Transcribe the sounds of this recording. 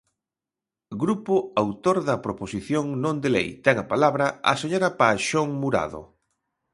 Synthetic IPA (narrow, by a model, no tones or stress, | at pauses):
ɡɾupʊawt̪oɾðɐpɾoposiθjoŋnõnd̪elḛjt̪ɛŋɐpalaβɾɐa̰seɲoɾapaʃoŋmuɾa̰ðo̰